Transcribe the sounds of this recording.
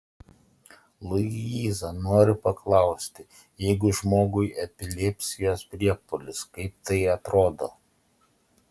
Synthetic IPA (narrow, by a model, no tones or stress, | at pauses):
lˠʊiːzɐnoːɾʲɪpɐklˠɐˑʊsʲt̪ʲɪ | jɛɪɡʊʒmoːɡʊɪʔɛpʲɪlʲɛpʲsʲɪjoːspʲɾʲiɛpʊlʲɪskɐɪp̚t̪ɐɪɐt̪ɾoːd̪o̰ː